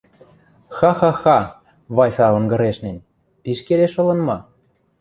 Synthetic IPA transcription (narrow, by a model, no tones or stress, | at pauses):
xɑxɑxɑ | βɑjsɑlɤ̆nɡɤ̆ɾeʃnɘ̆nʲ | piʃkeleʃɤ̆lɤ̆nmɑ